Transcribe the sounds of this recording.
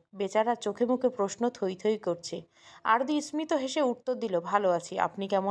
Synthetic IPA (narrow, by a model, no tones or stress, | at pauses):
bet͡ɕaɾaɾt͡ɕokʰemukʰepɾoʃnot̪ʰojt̪ʰojkoɾt͡ɕʰe | a̰ɾd̪ismit̪oɦeʃeuɾt̪ːoɾd̪ilobʱaloat͡ɕʰia̰pnikɛmo